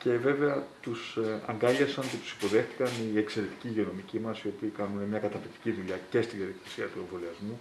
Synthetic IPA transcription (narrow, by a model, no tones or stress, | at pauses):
ce̞ve̞ve̞ɐt̪usɐ̰ŋɡɐʎesɐnce̞t̪u̥si̥po̞ðe̞xt̪i̥kɐnie̞kse̞ɾe̞t̪i̥ciʝeo̞no̞micimɐsio̞piːkɐnunemɲɐkɐt̪ɐfik̚t̪i̥ciðuʎɐce̞st̪iðiɐðikesiɐt̪ue̞ɱvo̞liɐzmu